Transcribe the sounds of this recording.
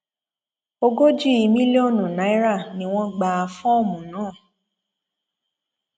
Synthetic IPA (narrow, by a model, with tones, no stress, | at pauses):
o˧ɡo˦d͡ʒi˦i˧mĩ˦le˦o˦˨nũ˨nã˨˦i˦ɾa˦˨nĩ˦w̃ɔ̃˦ɡ͡ba˧a˧fɔ̃˦o˦˨mũ˨nãː˨˦˨